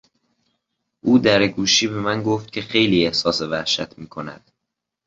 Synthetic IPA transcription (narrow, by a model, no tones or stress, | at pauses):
ʔuːd̪æɾeɡuːʃiːbe̞mænɡoft̪̚cʰe̞xe̞jliːehsɒːsevæhʃæt̪ʰmiːkʰo̞næ̰d̪̥